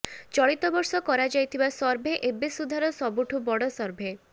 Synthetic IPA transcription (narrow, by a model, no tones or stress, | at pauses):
t͡ʃɔɭit̪ɔbɔɾsɔkɔɾad͡ʒajt̪ʰibasɔɾbʱeʔebesud̪ʱaɾɔsɔbuʈʰubɔɽɔsɔɾbʱe